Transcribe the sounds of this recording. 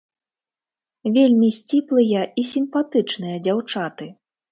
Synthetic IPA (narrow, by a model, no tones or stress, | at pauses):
vʲelʲmʲisʲt͡sʲiplˠɨjɐisʲimpat̪ɨt͡ʂnɨjɐd͡zʲawt͡ʂat̪ɨ